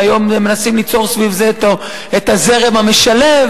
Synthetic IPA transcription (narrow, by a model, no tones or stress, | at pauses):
ajo̞meme̞nasimlit͡so̞ʁsvivzet̪o | et̪aze̞ʁe̞mhame̞ʃale̞v